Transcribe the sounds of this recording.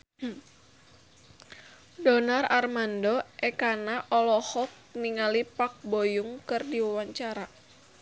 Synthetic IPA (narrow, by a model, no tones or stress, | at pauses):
dɔnararmandɔʔɛkanaʔɔlɔhɔk̚niŋalipak̚bojuŋkɨrdiwawaɲt͡ʃaɾa